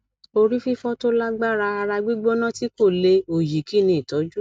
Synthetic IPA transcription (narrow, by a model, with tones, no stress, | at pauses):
o˧ɾi˦fi˦fɔ˦to˦la˦ɡ͡ba˦ɾa˧a˧ɾa˧ɡ͡bi˦ɡ͡bo˦nã˦ti˦ko˦˨le˧o˨ji˨ki˦˨nĩ˧˦i˨tɔ˨˦d͡ʒu˦